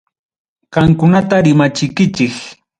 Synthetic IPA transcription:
ɢɑŋkʊnat̪aɾɪmat͡ʃɪkɪt͡ʃɪk

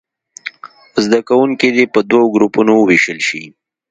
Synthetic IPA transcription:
zd̪akawuŋkid̪epəd̪waɡɾupunowəweʃəlʃi

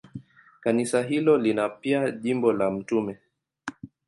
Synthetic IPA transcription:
kanisaɦilɔlinapiaʄimbɔlam̩tumɛ

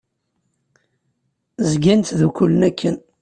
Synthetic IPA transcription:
zɡænt̪ðukulənækʰːən

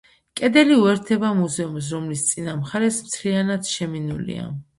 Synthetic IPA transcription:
kʼɛd̪ɛliuɛɾt̪ʰɛbamuzɛums̬ɾɔmlist̪sʼinamχaɾɛsmt̪sʰlianad̪ʃɛminulḭa̰

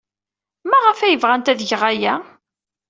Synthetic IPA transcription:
mæʁəfæjəvʁænt̪æðʝəʁæjæ

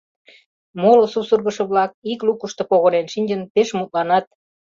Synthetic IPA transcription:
molosupsurɣə̆ʃɤ̆βlɑk̚iklukəʃt̪o̽poɣonenʃinʲd͡ʑənpeʃmut̪̚lɑnɑt̪̚

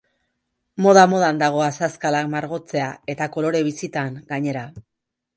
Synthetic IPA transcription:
mo̞ð̞amo̞ð̞and̪aɣ̞o̞asaskalakmaɾɣo̞t͡se̞ae̞t̪ako̞lo̞ɾe̞β̞isit̪aŋɡaɲe̞ɾa

